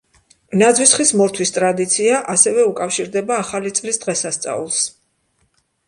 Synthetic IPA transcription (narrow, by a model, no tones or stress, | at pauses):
nad̪zwisχismɔɾt̪ʰwist̪ʼɾad̪it̪sʰiaʔasɛvɛukʼafʃiɾd̪ɛbaːχalit̪sʼlisd̪̥ʁɛsast̪sʼa̰ulˠs